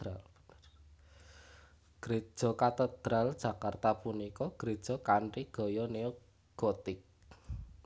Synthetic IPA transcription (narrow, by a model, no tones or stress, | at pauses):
al | ɡ̥ɾe̥ʒ̥ɔ̤kat̪əd̪̥ɾald̥ʒ̥ä̤kart̪apunikɔɡ̥ɾed̥ʒ̥ɔ̤kaɳʈiɡ̥ɔ̤jɔneo | ɡ̥ɔt̪ɪk̚